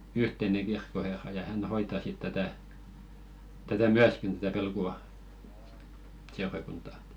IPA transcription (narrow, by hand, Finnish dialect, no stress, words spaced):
yhteneŋ̞ ɡ̊irkːoherːɑ jɑ hæn hoitɑ sit tætæˑ tætæ myæskin tætæ ʋelkuɑ seurɑkuntɑ